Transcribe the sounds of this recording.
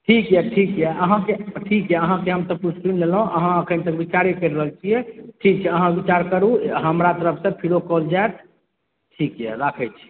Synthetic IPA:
ʈʰikjɛʈʰikjɛəɦãkeʈʰikjɛəɦãkeɦəmt̪ɔput͡ʃʈɾinlelɦũʔəɦãəkʰənt̪əkbit͡ʃaɾekəɾɾəɦəlt͡ʃʰiɛʈʰik̚t͡ʃʰɛəɦãbit͡ʃaɾkəɾuɦəmɾat̪əɾəpʰsə̃pʰiɾokɔld͡ʒaet̪ | ʈʰikjɛ̰ɾakʰɛt͡ʃʰi̥

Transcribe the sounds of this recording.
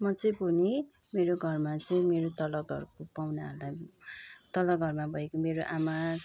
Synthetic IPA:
mʌt͡sʌj̃bʱuni | meɾoɡʱʌrmat͡sʌĩmeɾot̪ʌlʌɡʱʌ̰rkopawnaɦʌla | t̪ʌlʌɡʱʌrmabʱʌekomeɾoʔama

